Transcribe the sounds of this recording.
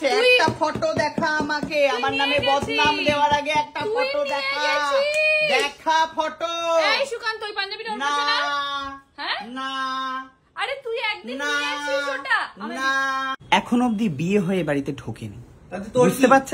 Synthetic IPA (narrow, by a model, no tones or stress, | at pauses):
eɛkʈafɔʈod̪ɛkʰaamakeamaɾnamebɔd̪ʱnamd̪eoaɾaɡeɛk̚ʈafɔʈod̪ɛkʰaaɡajed̪ɛkʰafɔʈoʃukant̪ojpand͡ʑabiɾonaa | hɛ̃na | aɾet̪uiɛk̚d̪naoanaɛkʰonob̚d̪ibieɦɔeebaɽit̪eɖʰʱokene | oust̪epat̪ːɕʰ